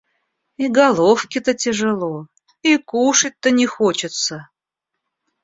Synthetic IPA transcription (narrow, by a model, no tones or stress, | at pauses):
iɡɐlˠofkʲɪt̪ətʲɪʐɨlˠo | ikuʂɨt̚ʲt̪ːənʲɪxot͡ɕɪt̪sə